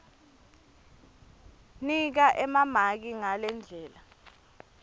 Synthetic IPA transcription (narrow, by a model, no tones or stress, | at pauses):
nik̬aʔɛmamak̬iŋalɛnd͡ɮʱɛːla